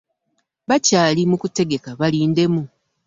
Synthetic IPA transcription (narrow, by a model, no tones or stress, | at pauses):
βacaːlimukute̞ɡe̞kaβaliːnde̞mu